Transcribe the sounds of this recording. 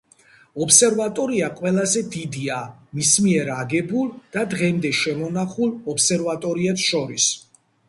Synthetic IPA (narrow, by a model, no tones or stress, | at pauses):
ɔpsɛɾvat̪ʼɔɾiaqʼwɛlazɛd̪id̪iamismiɛɾaɡɛbulˠd̪̥ad̪ʁɛmd̪ɛʃɛmɔnaχulˠɔpsɛɾvat̪ʼɔɾiɛpsʃɔɾis